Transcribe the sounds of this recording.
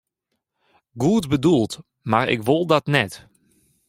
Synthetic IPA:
ɡuətbədulˠt | maɹɪ̰kʋolˠdɔtnɛt

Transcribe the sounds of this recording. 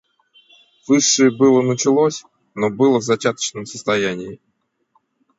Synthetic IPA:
vɨʂːɨjəbɨlˠənət͡ɕɪlˠosʲ | nobɨlˠəvzɐt͡ɕat̪ə̥t͡ɕnəmsə̥st̪ɐjænʲɪɪ

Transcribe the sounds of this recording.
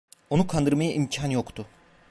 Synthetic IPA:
o̞nukʰand̪ɯɾmajaʔimcʰanjo̞kt̪ʰʊ

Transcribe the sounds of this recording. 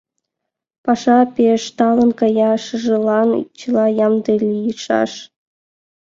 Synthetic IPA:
pɑʂɑpʲeʂt̪ɑlˠɤ̆nkɑjɑʂɯ̆ʐɤ̆lˠɑnt͡ɕɯlˠɑjɑmd̪ɤlʲijiʂɑ̰ʂ

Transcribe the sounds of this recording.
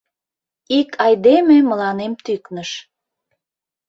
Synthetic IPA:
ikʰɑjd̪ememəlɑnemt̪yknəʃ

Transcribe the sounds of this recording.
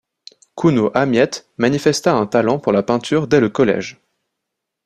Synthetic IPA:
kʰunoʔamjɛt̪manifɛst̪aɛ̃t̪alɑ̃puʁlapɛ̃t̪ʰyʁd̪ɛləkɔlɛ̰ʒ

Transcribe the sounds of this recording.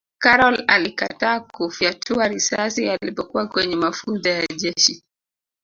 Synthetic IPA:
kaɾɔlalikataːkufiatʰuaɾisasialipɔkuwakwɛɲɛmafunzajaʄɛʃi

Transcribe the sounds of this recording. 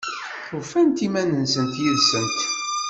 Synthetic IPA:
θʊfænt̪imænənsənt̪jəlsənt̪

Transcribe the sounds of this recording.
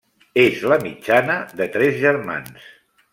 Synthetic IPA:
ezləmid͡ʒanəðət̪ɾɛzʒəɾma̰ns

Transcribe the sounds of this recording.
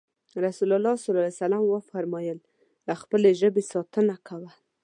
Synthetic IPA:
ɾasulalɑsɑlɑlajsalamwəfaɾmɑjəl | laxpəleʒəbesɑt̪ənakawa

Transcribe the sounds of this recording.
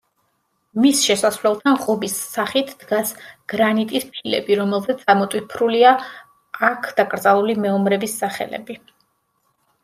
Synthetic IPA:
misʃɛsasvlɛlˠt̪ʰaʁɔbisːaχit̪ʰd̪̥ɡasɡ̥ɾanit̪ʼispʰilɛ̰biɾɔmɛlˠzɛt̪samɔt̪ʼwipʰɾulia | akʰd̪̥akʼɾd̪zalˠulimɛɔmɾɛbisːaχɛ̰lɛ̰bi

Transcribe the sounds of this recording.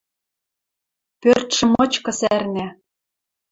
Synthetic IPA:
pørt̪ʃɤ̆mɤ̆t͡ɕkɤ̆særnæ

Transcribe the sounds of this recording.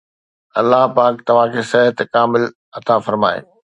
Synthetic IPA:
ɐlːaɦpaːk̚t̪ɐʋ̤ãkʰeːsɐɦət̪kaːmɪl | ɐt̪afɐɾma̰ːḛː

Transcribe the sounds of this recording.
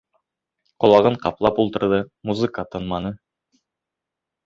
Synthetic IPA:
qŏlˠɑʁɤɴqɑplˠɑpulˠt̪ɤ̆ɾðɤmuzɨkət̪ɤ̆nmɑnɤ

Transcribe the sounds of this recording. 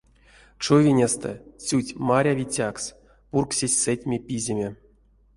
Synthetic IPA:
t͡ʃovʲinʲest̪ɛ̰sʲutʲmaɾʲavʲit͡sʲaks | purksʲesʲsetʲmʲepʲizʲemʲe

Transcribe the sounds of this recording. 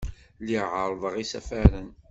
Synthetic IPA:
liʕəɾˤðˤəʁisæfæɾən

